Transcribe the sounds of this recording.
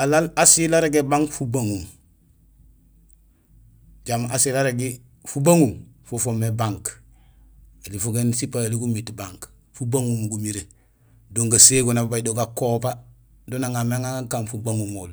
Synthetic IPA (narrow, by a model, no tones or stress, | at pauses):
alalasilaɾeɡebaŋkfubaŋum | ɟamasilaɾeɡe | fubaŋumfofomebaŋk | elifuɡensipaeliɡumitbaŋk | fubaŋumɡumiɾe | doŋɡaseɡonabbaɟdoɡakoba | donaŋameŋaakaːnfubaŋumoːl